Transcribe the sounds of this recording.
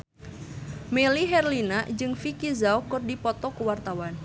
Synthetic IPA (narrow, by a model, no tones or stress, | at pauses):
meliɦɛrlinad͡ʒɨŋfikizawkɨrdipɔt̪ɔkəwart̪awan